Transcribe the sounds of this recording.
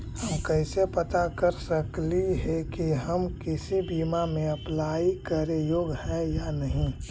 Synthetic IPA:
həmkəɪsepət̪akəɾsəkliɦekiɦəmkɪsibiːmamẽɐplaːikəɾejoːɡhɛ̃janəɦĩ

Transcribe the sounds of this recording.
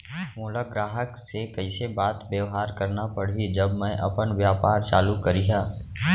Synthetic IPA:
mʊːləɡɾaːɦəksekɐisebaːt̪bjəʋɦaːɾkɐɾnapɐɽ̤id͡ʒɐbmɛ̃ʔɐ̰pənʋjaːpaːɾt͡ʃaːlukɐɾijaː

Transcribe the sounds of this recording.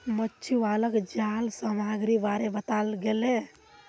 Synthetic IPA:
mətːt͡ʃʰualəkd͡ʒalsəmaɡɾibaɾebət̪alɡele

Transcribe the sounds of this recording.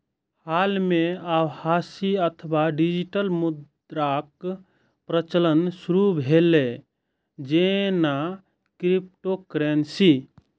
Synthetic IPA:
halmeawhasiət̪ʰəwaɖid͡ʒiʈəlmud̪ | ɾak | pɾət͡ʃələnsuɾubʱele | d͡ʒena | kɾip̚ʈokɾensi

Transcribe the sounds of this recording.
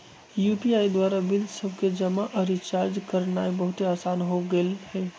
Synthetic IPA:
jupiaid̪waɾabilsəbʱked͡ʒəmaʔəɾit͡ʃaɾd͡ʒkəɾnaibəɦʊt̪eaːsanɦoɡelhɛ

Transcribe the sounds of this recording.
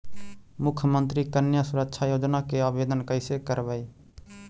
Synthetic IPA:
mʊkʰjəmənt̪ɾikənjasʊɾəkʃʰajoːd͡ʒnakeabed̪ənkəɪsekəɾbəj

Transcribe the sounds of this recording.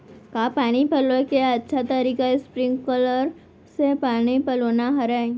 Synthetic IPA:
kaːpaːñipɐlokeɐtːʃʰat̪ɐɾiːkaespɾɪ̃ŋɡkɔːləɾ | sepaːnipɐloːnaɦɐɾã

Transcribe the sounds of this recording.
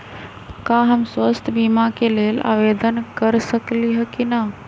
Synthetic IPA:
kaɦəmswəst̪ʰəbimakelela̰ʋed̪ənkəɾsəkliɦəkina

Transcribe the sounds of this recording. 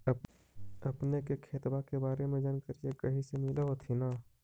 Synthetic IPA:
ɐpnekekʰeːt̪bakebaːɾemẽd͡ʒənkəɾijekɐɦĩsemɪleɦot̪ʰinaː

